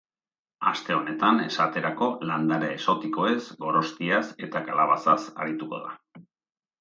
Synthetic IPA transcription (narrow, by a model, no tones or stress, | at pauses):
a̰st̪e̞o̞ne̞t̪ane̞̰sat̪e̞ɾako̞land̪aɾeeso̞t̪iko̞e̞sɡo̞ɾo̞st̪iase̞t̪akalaβasasa̰ɾit̪uko̞̰ð̞a̰